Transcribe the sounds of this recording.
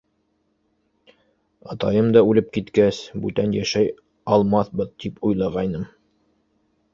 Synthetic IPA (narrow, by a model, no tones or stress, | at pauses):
ɑt̪ɑjɤmd̪ɑʉlɘp̚kit̪kæsbʉt̪ænjæʃæj | ɑlˠmɑθbɤðt̪ipujlˠɑʁɑjnɤm